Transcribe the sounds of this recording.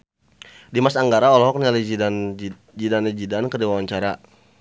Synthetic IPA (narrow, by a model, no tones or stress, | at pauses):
dimasaŋɡaɾaɔlɔɦɔk̚nialid͡ʒn | d͡ʒidanid͡ʒidankədiwawaɲt͡ʃaɾa